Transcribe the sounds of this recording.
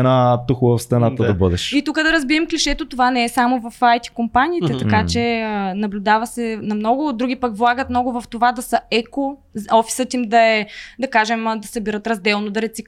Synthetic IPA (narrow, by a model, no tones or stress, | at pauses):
ɛnat̪uxʊvɐfst̪ɾɐnat̪əd̪ɐbɤd̪ɛʃit̪ukəd̪ɐɾɐzbiɛmkliʃɛt̪ot̪ovanɛɛsamovɐfajt̪i̥kompaniːt̪ɛt̪ɐkat͡ʃɛənɐblʲʊd̪avɐsɛnɐmnɔɡʊd̪ɾuɡipəkvlˠaɡət̪mnɔɡʊvɐft̪ovad̪ɐsɐɛko | ɔfi̥sət̪imd̪ɐɛd̪ɐkaʒɛmd̪ɐsɐbiɾət̪ɾɐzd̪ɛlˠnod̪ɐɾɛt̪sik